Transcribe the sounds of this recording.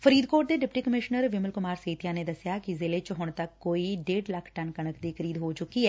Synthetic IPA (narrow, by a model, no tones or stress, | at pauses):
fʰəɾiːd̪koːʈ̚d̪eːɖɪpʈiːkəmɪʃnəɾʋɪməlkʊmaːɾseːt̪ijãːned̪əsjakizɪlet͡ʃɦʊɳ̃t̪ɐkːoːiɖeːɖlɐkʰʈənkəɽəkd̪iːkʰəɾiːd̪ɦoːt͡ʃʊkiɦɛː